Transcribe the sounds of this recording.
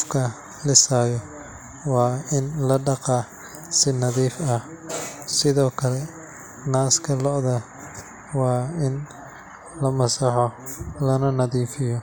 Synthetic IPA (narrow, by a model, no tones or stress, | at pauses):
qfkʰɐ | lɪsaːjɔ | wɑːɪnlɐɖɑqɑː | sɪnɐðiːfɐhsɪðɔːkʰɐlɛ | naːskʰɐlɔʔðɐ | wɑːɪn | lɐmɐsɑħɔlɐnɐnɐðiːfɪjɔ